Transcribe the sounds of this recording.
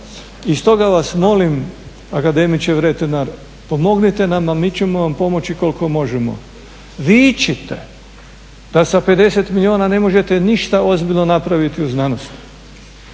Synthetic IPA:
ist̪o̞ɡaʋasmo̞lim | akad̪e̞mit͡ʃeʋɾet̪enaɾ | po̞mo̞ɡnit̪e̞namamiːt͡ɕemo̞ʋampo̞mo̞t͡ɕiko̞lko̞mo̞ʒemo̰ | ʋit͡ʃet̪e | d̪̥asape̞d̪e̞se̞t̪milʲioːnane̞mo̞ʒet̪e̞niʃt̪ao̞zbiʎʲno̞napɾaʋit̪iuznano̞st̪

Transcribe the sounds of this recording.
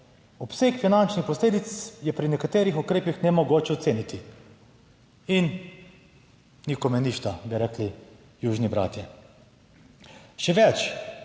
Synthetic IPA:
ɔpsekfinant͡ʃnixpɔsleːd̪it̪sjɛpɾinɛkat̪eːɾixukɾeːpixnɛmɔɡoːt͡ʃɛɔt̪seːnit̪i | in | nikɔmɛniʃt̪abiɾɛkli | juːʒnibɾa̰ːt̪jɛ | ʃɛʋɛt͡ʃ

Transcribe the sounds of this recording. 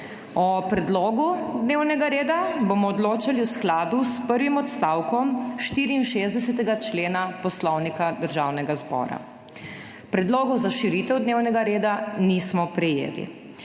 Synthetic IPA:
ɔpɾɛd̪lɔːɡud̪neːwnɛɡaɾeːd̪abomɔɔd̪loːt͡ʃaliusklaːd̪uspəɾʋimɔt̪st̪aːwkɔmʃt̪iːɾiːnʃezd̪ɛsɛt̪ɛɡat͡ʃleːnapɔslɔwnikad̪əɾʒaːwnɛɡazbɔ̰ːɾa̰ | pɾɛd̪loːɡɔzaʃiɾiːt̪ɛwd̪neːwnɛɡaɾeːd̪anismɔpɾɛjḛːlḭ

